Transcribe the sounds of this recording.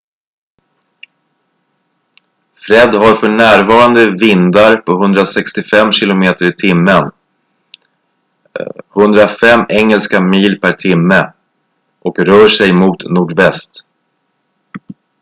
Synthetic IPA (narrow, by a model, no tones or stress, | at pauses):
fɾɛd̪ɦaɾfœɳæːɾvɑːɾand̪əvɪnd̪aɾpʰɔɦɵnd̪ɾasɛkst̪ɪfɛmːɕɪlʊmeːt̪əɾɪt̪ʰɪmːən | hɵnd̪ɾafɛmːɛŋːɛlskamiːlpʰæʈʰɪmːə | ʔɔkɾœːʂɛjmuːt̪nuːɖvɛst̪